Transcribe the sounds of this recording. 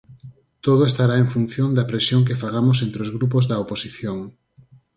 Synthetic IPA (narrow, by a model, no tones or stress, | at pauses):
t̪oð̞oest̪aɾaeŋfun̟θjond̪ɐpɾesjoŋk̬efaɣ̞amos̬ent̪ɾeozɣɾup̬ozðɐoposiθjoŋ